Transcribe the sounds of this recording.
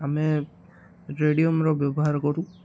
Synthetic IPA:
amɛ | ɾeɖijomɾɔbjɔbɔɦaɾkɔɾũ

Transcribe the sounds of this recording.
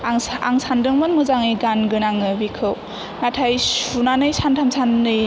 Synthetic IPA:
aŋsandɯŋmɯnmɯzaŋɯjɡanɡɯnaŋɯbikʰɯw | natʰajunanɯjsantʰamsanːɯj

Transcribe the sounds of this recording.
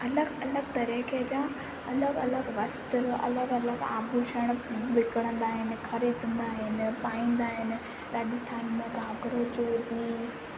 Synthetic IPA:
ɐləɡɐləɡt̪ɐɾiːked͡ʑaː | ɐləɡɐləɡʋɐst̪ɾɐ̰ləɡɐləɡa̰ːbʱuʃəɽ̃ʋɪkəɽ̃ə̃nd̪aːɦɪnɪ̆xɐɾid̪ʱə̃nd̪aːɦɪnɪ̆paːĩːnd̪aːɦɪnɪ̆ | ɾaːd͡ʑɪst̪ʰaːnmẽɡãːɡɾod͡ʑoːbiː

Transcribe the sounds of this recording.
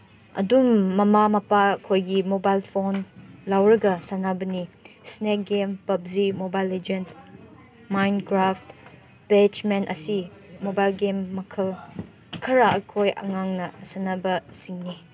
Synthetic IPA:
ɐ̰dumːɐmamɐpakʰojɡimobajlpʰonlawɾɐɡɐsanabɐnisnek̚ɡempɐbzimobajled͡ʒent | majnkɾaft | bet͡ʃmenɐ̰simobajlɡemːɐkʰɐl | kʰɐɾɐɐkʰojʔɐ̰ŋaŋnɐsanabɐsiŋni

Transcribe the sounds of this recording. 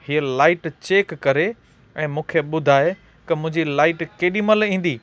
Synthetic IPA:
hiəlaːɪʈt͡ɕeːkːɐɾe | ɛ̃ːmũːkʰeɓʊd̪ʱaːe | kɐmʊ̃ɪ̃ɲd͡ʑilaːɪʈkeːɗimɐlĩːn̆d̪iː

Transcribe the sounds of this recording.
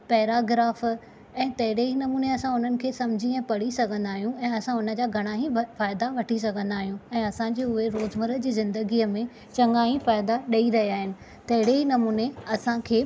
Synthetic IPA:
pɛːɾaːɡɾaːf | ɛ̃ːt̪ɐɦɪɽeɦinɐmuːneɐsãʊn̤ənɪ̆kʰeːsɐmd͡ʑʱiɛ̃ːpɐɽisɐɡʱə̃nd̪aːɦijũɛ̃ːɐsãʊnə̆d͡ʑaːɡʱɐɽ̃aɦifaːɪd̪aʋɐʈʰis̬ɐɡʱə̃nd̪aːɦijũɛ̃ːɐsãd͡ʑeːʊɦeɾoːzməɾəd͡ʑiːzɪ̃nd̪əɡiːəmẽ | t͡ɕɐ̃ŋaːɦĩfaːɪd̪aɗɐiɾɐɦijaːɦɪnɪ̆ | t̪ɐɦɪɽeɦinɐmuːneɐsãkʰeː

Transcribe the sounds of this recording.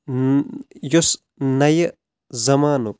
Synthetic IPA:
jos | nɐjɐ | zɐmaːnuk

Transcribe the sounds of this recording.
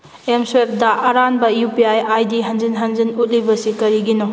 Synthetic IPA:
emswep̚daʔɐɾanbɐjupiajajdiɦɐnd͡ʒinɦɐnzinut̚libɐsikɐɾiɡino

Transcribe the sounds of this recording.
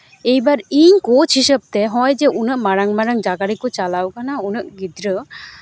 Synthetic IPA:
ejbaɾiɲkot͡ʃʰisəp̚t̪ɛɦɔjd͡ʒɛʔunəʔmaɾaŋmaɾaŋd͡ʒaɡaɾikɔt͡ʃalawkanaunəʔɡid̪ɾə

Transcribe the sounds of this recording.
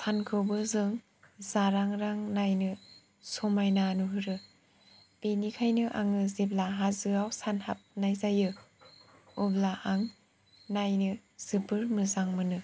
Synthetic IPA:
sʰankʰɯwbɯzɯŋ | zaɾaŋɾaŋnajnɯ | sɔmajnanuɦɯɾɯ | b̥enikʰajnɯʔa̰ŋɯziblaɦazɯawsanhap̚najzajɯ | ublaʔaŋ | najnɯ | z̥ɯbɯɾmɯzaŋmɯnɯ

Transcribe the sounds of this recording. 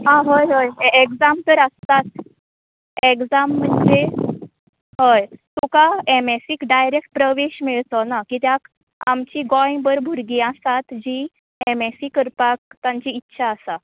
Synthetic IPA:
ɦãɦəjɦəjekd͡zamt̪əɾəst̪at̪̚ | ekd͡zamːəɳd͡ze | ɦəjt̪okaemesiːkɖajɾek̚ʈ̚pɾəʋeɕmiɭt̪ɔnakit̪jak | amt͡ɕiːɡɔĩbəɾbʱuɾɡiasat̪d͡ʑi | emesiːkəɾpak̚t̪ãɲt͡ɕiːtːɕʰaːsa

